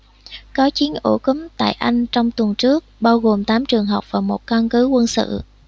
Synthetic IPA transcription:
kɔ˨˦t͡ɕi˨˦ənʔu˧˩ku˨˦mt̪a̰ː˧˨jʔa˧jŋ̟t͡ɕɔ˧wŋ͡mt̪wə˨˩nt͡ɕɨ˦˥ək̚ɓaː˧wɣo˨˩mt̪aː˨˦mt͡ɕɨ˨˩əŋɦə˨˩wk͡p̚vaː˨˩mo˨˩t̚ka˧nkɨ˨˦kwə˧nsɨ̰˧˨

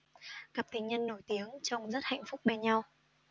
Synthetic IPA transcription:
ka˨˩p̚t̪ï˨˩ŋ̟ɲə˧nːo˧˩jt̪i˨˦əŋt͡ɕɔ˧wŋ͡mzə˦˥t̚ha̰˧˨jŋ̟fʊ˦˥k͡p̚mɛ˧ɲa˧w

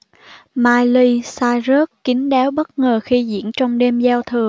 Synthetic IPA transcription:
maː˧jli˧saː˧jzəː˦˥t̚kï˨˦ŋ̟ɗɛː˨˦wɓə˦˥t̚ŋəː˨˩xi˧zḭ˧˥ənt͡ɕɔ˧wŋ͡mɗe˧mzaː˧wt̪ʰɨ˨˩ə

